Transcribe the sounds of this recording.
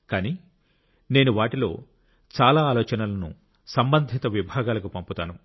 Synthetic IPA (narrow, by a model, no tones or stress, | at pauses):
kaːniː | ne̞ːnuʋaːʈilo̞ː | t͡ʃaːlaːlɔːt͡ʃɐnɐlɐnṵ | sɐmbɐnd̪ʱit̪ɐʋibʱaːɡaːlɐk̬upɐmput̪aːnu